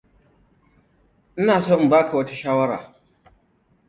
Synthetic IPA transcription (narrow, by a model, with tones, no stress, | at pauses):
ʔɪ˦naː˨sɔ˦m˨baː˦kʰa˨wɐ˦ta˦ʃaː˦wɐ˦ɾa̰ː˨